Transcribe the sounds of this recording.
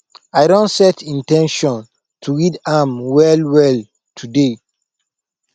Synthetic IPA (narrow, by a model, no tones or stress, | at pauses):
aɪɾõntsɛtĩntɛ̃nʃɔ̃n | tʰuɹidamwɛlwɛl | tʰude